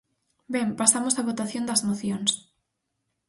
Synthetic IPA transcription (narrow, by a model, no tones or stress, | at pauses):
bɛ̃mpasamosaβot̪aθjõnd̪ɐzmoθjoŋs